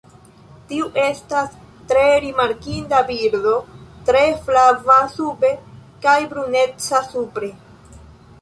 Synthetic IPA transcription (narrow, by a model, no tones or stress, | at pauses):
tiuʔe̞stas | tɾe̞ɾimaɾkindabiɾdo̞tɾe̞flavasube̞kajbɾune̞t͡sasupɾe̞